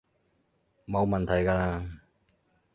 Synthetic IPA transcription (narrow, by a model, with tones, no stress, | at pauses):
mo˨˧wmɐ˨nt̪ʰɐ˨˩jkaː˧laː˧